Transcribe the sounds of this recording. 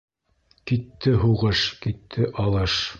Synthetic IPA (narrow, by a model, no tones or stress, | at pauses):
kit̪ːɘɦuʁɤʃkit̪ʰːɘʔɑlˠɤʃ